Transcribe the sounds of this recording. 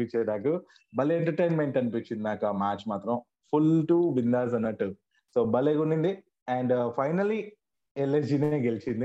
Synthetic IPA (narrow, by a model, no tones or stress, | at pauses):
it͡ʃːeːɖaːkɐ | bɐleɳʈɐɾʈejnme̞ɳʈɐnipit͡ʃːind̪inaːkɐmaːt͡ʃmaːt̪ɾɐm | pʰulʈuːʋind̪aːzɐnːɐʈːu | soːbɐlekuɳɖiɳd̪i | ɛːɳɖpʰɐjnɐli | elːed͡ʒineːɡelit͡ʃind̪i